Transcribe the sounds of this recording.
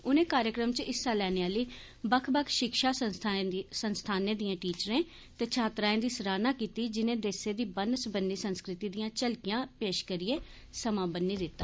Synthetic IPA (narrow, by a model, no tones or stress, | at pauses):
ʊnẽːkaːɾjəkɾəmt͡ʃɪsːaːlɛːneːaːləiː | bəkʰbəkʰʃɪkʃaː | sənst̪ʰaːnẽːd̪ijãːʈiːt͡ʃəɾẽː | t̪eːt͡ʃʰaːt̪ɾaːẽːd̪iːsəɾaːnãːkiːt̪iːd͡ʒɪnẽːd̪eːsẽːd̪iːbənəsbənːiːsənskɾɪt̪iːd̪ijãːt͡ʃəlkɪjãːpeːʃkəɾɪeː | səmãːbənːiːd̪ɪt̪ːaː